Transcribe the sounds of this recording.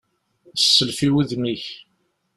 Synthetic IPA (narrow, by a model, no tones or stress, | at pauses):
sːəlfiwiðmiç